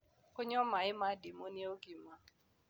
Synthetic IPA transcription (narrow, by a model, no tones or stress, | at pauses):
oɲɔmaɪmadɪmonioɡim̩ma